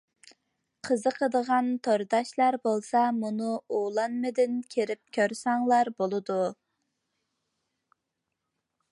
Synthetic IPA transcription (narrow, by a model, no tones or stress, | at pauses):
qʰəzəqʰəd̪əʁɑnt̪ʰoɾd̪ɑʃlˠɑɾbolˠsɑmunuolˠɑnmɨd̪ɪnkʲʰeɾɪp̚kʲʰøɾsɑŋlˠɑɾbolˠɨd̪u